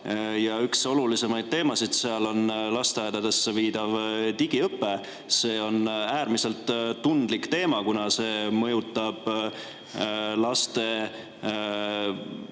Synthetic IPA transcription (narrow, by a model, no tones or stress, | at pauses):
jɑykso̞lulise̞mɑjd̪̚t̪e̞ːmɑsid̪̥seɑlo̞nlɑst̪eɑjd̪̥ɑd̪e̞sːeviːd̪̥ɑvt̪iɡ̥iɤpːˑe | se̞ːo̞næːɾmise̞lt̪ːund̪likt̪e̞ːmɑkunɑse̞ːmɤjut̪ːˑɑb̥ | lɑst̪e̞